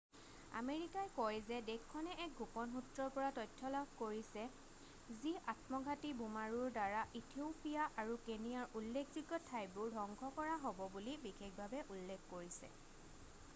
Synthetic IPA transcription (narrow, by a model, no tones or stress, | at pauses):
a̰meɹikajkɔjzɛdɛkʰːɔnɛʔɛk̚ɡʱupɔnxutɹɔɹpɔɹatɔjtʰːɔlaɡkoɹisɛ | ziʔatmɔɡʱatibumaɹuɹdaɹaʔitʰiopijaʔaɹukenijaɹulːekʰziɡɔtʰajbʊɹdʱɔŋkʰɔkɔɹaɦobɔbulibixek̚bʱabɛʔulːekʰkoɹisɛ̰